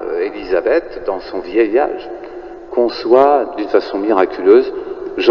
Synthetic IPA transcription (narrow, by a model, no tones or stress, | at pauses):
elizabɛt̪d̪ɑ̃sɔ̃vjɛja̰ʒ | kɔ̃swad̪ynfasɔ̃miʁakʲyløzʒ